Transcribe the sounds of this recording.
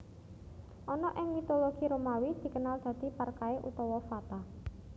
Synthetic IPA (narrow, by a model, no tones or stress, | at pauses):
ʔɔnɔʔɪŋmit̪oloɡ̥i̤ɾomawid̪̥i̤kənald̪̥a̤d̪̥i̤parkaeʔṵt̪ɔwɔfat̪a